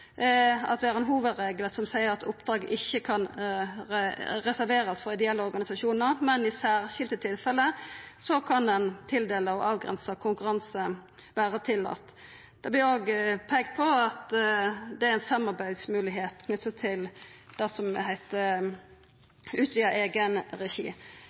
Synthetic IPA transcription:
ɑ̰t̪ʋɪhæɾʁɛnɦuːʋəd̪ɾeːɡləsɔmsæɪəɾɑt̪ʊpd̪ɾɑːɡəʔɪçːəkʰɑn | ʁɛsæɾʋeːɾəsfɔʁɪd̪əɛlːəɔɾɡɑnɪsɑʃuːnəʁmɛnɪsæːʁʃɪlt̪ət̪ʰɪlfɛləsɔkʰɑnɛnt̪ʰɪld̪eːləɔʔɑːʋɡʁɛ̰nsəkʰʊŋkʉɾɑnsə | ʋæːʁət̪ʰɪlɑ̰t̪ | d̪̥ɛblɪoːɡpʰɛːɡt̪̚pʰɔɑt̪d̪ɛæɾɛnsɑmɑɾbæɪd̪smʉːlɪɦeːt̪kʰnʉt̪ːət̪ʰɪld̪̥ɛsɔmhæɪt̪ə | ʉːt̪ʰʋiːəeːɡənɾɛʃḭː

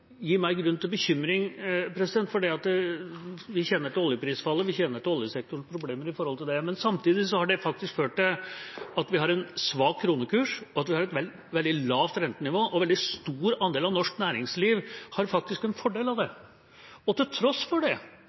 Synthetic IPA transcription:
jiːmæɪɡɾʉnt̪ʰɪlbəçʏmːɾɪŋpʰɾɛsɪd̪ɛnt̪fɔɖiːɑt̪ | ʋɪçɛnːəɾt̪əɔljəpʰɾiːsfɑlːəʋɪçɛnəɾt̪ɔljəsɛk̚t̪ʊɳspʰɾʊbleːməɾɪfɔɾɔlt̪ʰɪld̪ɛmɛnsɑmt̪iːd̪ɪsɔhɑɖɛfɑk̚t̪ɪskføːʈd̪ɛɑt̪ʋɪhɑɾɛnsʋɑːk̚kʰːɾuːnəkʰʉːʂɔɑt̪ʋɪhɑɾɛt̪ʋɛ | ʋɛld̪ɪlɑːʋt̪ɾɛnt̪ənɪʋoːʔɔʋɛld̪ɪst̪uːɾɑnd̪eːlɑʋnɔʂknæːɾɪŋsliːʋhɑɾfɑk̚t̪ɪskɛnfɔɖeːlɑʋd̪ɛ | ɔt̪ɪlt̪ʰɾɔsfɔɖɛ

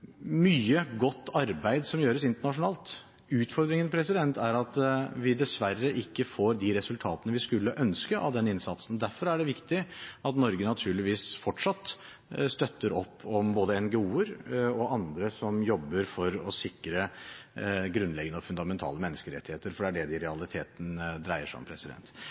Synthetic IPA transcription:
myːəɡɔt̪ːɑɾbæɪd̪sɔmjøːɾəsɪnt̪əɳɑʂʊnɑːlt̪ | ʉːt̪fɔɾd̪ɾɪŋənpʰɾɛsɪd̪ɛnt̪ʰæɾɑt̪ʋɪd̪ɛsʋærːəʔɪkːəfoːɾd̪iɾɛsʉlt̪ʰɑːt̪ənəʋɪskʉlːəʔœnskəʔɑ̰ʋd̪ɛnɪnsɑt̪sənɔd̪æɾfɔɾæɖɛʋɪkt̪ɪɑt̪nɔɾɡənɑt̪ʰʉːɭɪʋiːsfɔʈʂɑt̪ː | st̪œt̪ːəɾɔpːɔmboːd̪əɛnɡɛuːəɾɔʔɑnd̪ɾəsɔmjɔbːəɾfɔɾɔsɪkːɾə | ɡɾʉnlɛɡənəɔfʉnd̪ɑmɛnt̪ʰɑ̰ːləmɛnːəskəɾɛ̰t̪ːɪheːt̪əɾfɔɖɛæɖɛd̪ɪɾɛɑlˠɪt̪ʰeːt̪n̩d̪ɾæɪəʂɔ̰mpʰɾɛsɪd̪ɛ̰nt̪

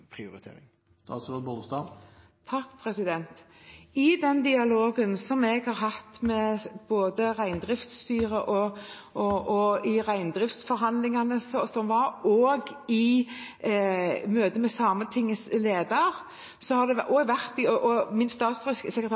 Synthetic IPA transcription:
pʰɾɪʊɾɪt̪ʰḛːɾɪ̰ŋ | st̪ɑ̰ːt̪sʋɛd̪bod̪əst̪ɑ | t̪ʰɑkːpʰɾɛsɪd̪ɛnt̪ | ɪd̪ɛnd̪ɪɑloːɡənsɔmɛɡhɑɾɦɑt̪mɛb̥oːd̪əʁæɪnd̪ɾɪft̪st̪yːɾəʔɔʔɔʔɔɪʁæɪnd̪ɾɪft̪sfɔɾɦɑnd̪lɪŋɑnəsɔsɔmʋɑɾoːɡɪ | møːt̪d̪əmɛsɑːmət̪ʰɪŋːəsleːd̪ɑɾ | sɔhɑd̪ɛʔoːɡʋæʁt̪ɪɔʔɔmɪnst̪ɑːt̪sɪssɛkɾət̪ʰ

